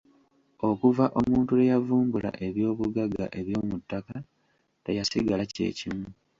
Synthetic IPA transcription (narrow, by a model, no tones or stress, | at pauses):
o̞kuvaʔo̞muːntulejavuːmbula̰ʔe̞βjo̞ːβuɡaɡa̰ʔe̞βjo̞ːmutːaka | te̞jasiɡacḛːcimu